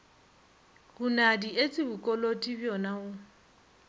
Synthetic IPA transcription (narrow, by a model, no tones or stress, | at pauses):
ɣʊnadiet͡sʼɪbʊkʼɔlotʼibjɔnaʊ